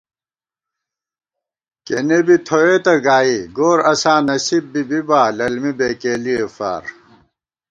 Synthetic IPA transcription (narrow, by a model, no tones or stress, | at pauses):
kḛnebit̪ʰoet̪ɐɡaːiɡoːɾɐsaːnɐsibbibibaːlɐlmibeːkeːliefa̰ːɾ